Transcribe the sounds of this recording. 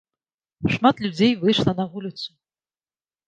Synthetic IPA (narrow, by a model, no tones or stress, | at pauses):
ʂmat̪lʲud͡zʲejvɨjʂlˠɐnavulʲɪt̪sʰu̥